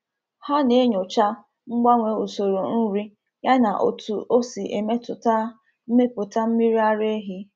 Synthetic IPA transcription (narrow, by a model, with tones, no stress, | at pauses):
ha˦ne˦ɲʊ˨t͡ʃa˦ | ŋ͡m̩˦ɡ͡ba˦ŋʷe˨u˨so˨ɾo˨n̩˦ɾi˦ | ja˦na˨ʔo̰˨tu˨ʔo˦si˨ʔḛ˨me˦tʊ˨ta˦ | me˦pʊ˨ta˦m̩˦mi˦ɾi˦a˦ɾe˦ɦi˦